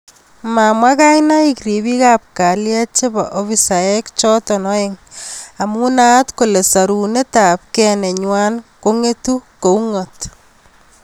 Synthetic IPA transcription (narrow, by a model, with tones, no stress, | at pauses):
ma˨mwa˦ka˦jna˦i˦kɾi˨βi˦ka˦p̚ka˨lja˦t͡ʃe˦βaʔo˦βi˦sa˨je˦kt͡ʃɔ˦tɔ˨nɔ˦e˦ŋa˨mu˦na˦tko˨le˨sa˨ɾu˨ne˦ta˨p̚kɛ˦ne˨ɲwa˦nko˦ŋe˦tu˦ko˨u˦ŋɔt